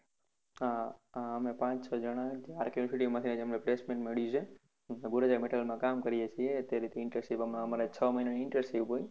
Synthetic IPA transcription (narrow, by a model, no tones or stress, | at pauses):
ɦãaəmepãt͡ʃsʰɔd͡ʒəɽ̃ãd͡ʒeaɾkjuusiʈiʋmãt̪ʰined͡ʒəmeplesmẽɳʈmeɭjũt͡ʃʰe | eɡuɾad͡ʒameʈəlmãkamkəɾijet͡ʃʰiet̪eɾit̪ʰeɪɳʈəɾsiʋəmaəmaɾet͡ʃʰəməɦineniɪɳʈəɾsiʋɦoj